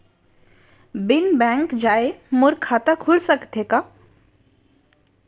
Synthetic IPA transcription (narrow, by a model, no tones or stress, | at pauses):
bɪnbɛ̃ŋkd͡ʒaːemʊɾkʰaːt̪akʰʊlsəkt̪eka